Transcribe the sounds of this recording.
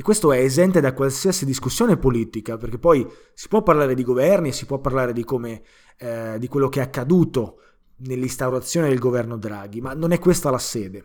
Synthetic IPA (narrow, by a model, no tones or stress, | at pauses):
ekːwest̪oɛːzɛnt̪ed̪akwalsiasid̪iskusːjoːnepoliːt̪ikaperk̟epːɔj | si̥pwɔpːarlaːɾed̪iɡovɛrniesːipwɔpːarlaːɾed̪ikoːme | d̪ikwelːokeɛakːad̪uːt̪o | nelːist̪awɾat̪sːjoːned̪elɡovɛrnod̪ɾaːɡ̟imanːonɛkːwest̪alasɛːd̪e